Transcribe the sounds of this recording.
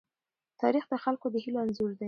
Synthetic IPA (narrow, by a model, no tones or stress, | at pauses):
t̪ɑɾixd̪əxalkod̪əhiloanzuɾd̪a